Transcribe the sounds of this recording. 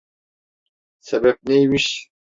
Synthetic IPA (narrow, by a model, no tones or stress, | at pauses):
sebɛp̚nejimiʃ